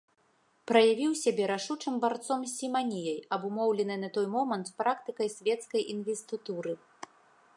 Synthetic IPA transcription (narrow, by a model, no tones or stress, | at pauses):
pɾɐjavʲiwsʲabʲɛɾaʂut͡ʂɨmbart̪sɔmsʲimanʲijɐjɐbumɔwlʲɛnɨnɐt̪ɔjmɔmɐnt̪spɾakt̪ɨkɐjsʲvʲɛt̪skɐjʔinvʲɛst̪ɨt̪uɾɨ